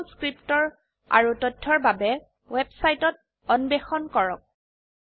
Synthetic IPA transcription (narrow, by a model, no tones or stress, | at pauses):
skɹiptɔɹ | a̰ɹutɔtʰːɔɹbabɛ | wɛbsajtɔt̚ | ɔnbɛxɔnkɔɹɔk̚